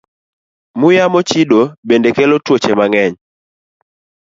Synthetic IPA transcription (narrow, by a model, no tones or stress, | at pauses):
mʊjamɔt͡ʃidobendekelotwot͡ʃemaŋɛɲ